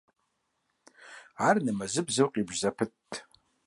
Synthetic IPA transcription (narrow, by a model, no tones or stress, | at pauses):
arnɨmazɨbzɨwqʼibʒzapʰɨtʼ